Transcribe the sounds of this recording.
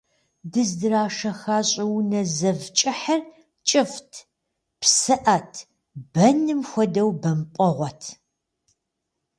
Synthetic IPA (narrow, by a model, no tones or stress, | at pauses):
dɨzdɨɾaːʂɐxaːɕʼɪwnɐzɐvt͡ʃʼɪħɐr | t͡ʃʼɪftʰ | psɨʔɐtʰ | bɐnɨmxʷɔdɐwbɐmpʼɔʁʷɔtʰ